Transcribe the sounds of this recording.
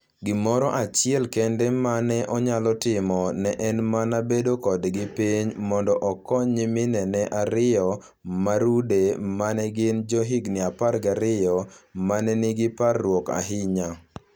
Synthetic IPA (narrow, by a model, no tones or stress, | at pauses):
ɡɪmɔɾɔʔat͡ʃɪɛlkɛndɛmanɛʔɔɲalɔtɪmɔnɛʔɛnmanabedokɔdɡɪpiɲmɔndɔʔɔkɔɲimɪnɛnɛʔaɾɪjɔ | maɾudemanɛɡɪnd͡ʒɔɦɪɡnɪaparɡaɾɪjɔmanɛnɪɡɪparːwɔka̰ɦɪɲa